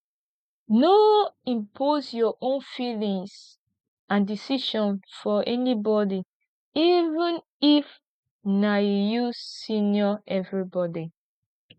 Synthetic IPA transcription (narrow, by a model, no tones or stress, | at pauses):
noĩmpʰosjɔʔõnfilĩŋs | ãndisiʃɔ̃nfɔʔɛnibɔdi | ivĩn | if | najusĩnjɔɛvɹibɔdi